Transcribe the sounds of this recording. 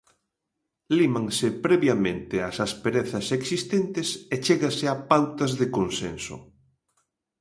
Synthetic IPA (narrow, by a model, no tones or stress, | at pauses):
limaŋsɪpɾɛβjamẽnt̪ɪasaspeɾeθɐseksist̪ent̪ɪset͡ʃeɣasɪapawt̪ɐzðɪkonsḛnso̰